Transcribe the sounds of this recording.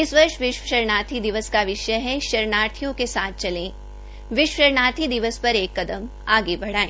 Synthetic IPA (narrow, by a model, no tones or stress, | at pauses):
ɪsʋɐɾʃʋɪʃwəʃɐɾnaːt̪ʰid̪ɪʋəskaʋɪʃəɦɛʃɐɾɳaːɾt̪ʰijõkesaːt̪̚ʰt͡ʃɐlẽː | ʋɪʃʃɐɾnaːt̪ʰid̪ɪʋəspɐɾeːkːɐd̪əm | aːɡebɐɽ̤aːẽː